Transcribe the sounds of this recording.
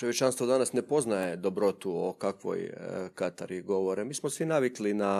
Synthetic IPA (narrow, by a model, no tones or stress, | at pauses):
t͡ʃojet͡ʃanst̪ʋod̪anasnepo̞znajed̪o̞bɾo̞t̪uo̰kakʋo̰jkat̪a̰ɾiɡo̞ʋoɾemiːsmosʋinaʋiklina